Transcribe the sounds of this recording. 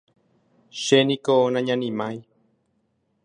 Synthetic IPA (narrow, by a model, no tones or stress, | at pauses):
ʃenĩkonãɲãnĩmãĩ